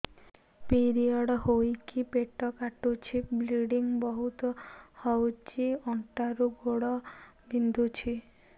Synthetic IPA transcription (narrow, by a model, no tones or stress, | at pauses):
piɾiɔɽɔɦojkipeʈɔkaʈut͡ʃʰibliɽiŋbɔɦut̪ɔhɔwt͡ʃiɔɳʈaɾuɡoɽɔbind̪ʱut͡ʃʰi